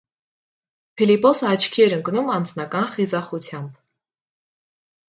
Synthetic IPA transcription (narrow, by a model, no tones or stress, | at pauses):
pʰilipɔsəɑt͡ʃʰkʰiɛɾəŋknumɑnd͡znɑkɑnχizɑχut͡sʰjɑmb